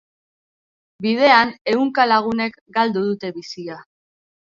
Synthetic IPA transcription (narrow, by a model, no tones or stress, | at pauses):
bið̞e̞ane̞uŋkalaɣ̞une̞k | ɡald̪uð̞ut̪e̞βisia